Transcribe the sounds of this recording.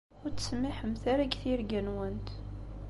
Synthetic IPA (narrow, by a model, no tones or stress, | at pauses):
ʊɾt͡sə̥smɪħəmθaɾaɡθiɾɡænwənt̪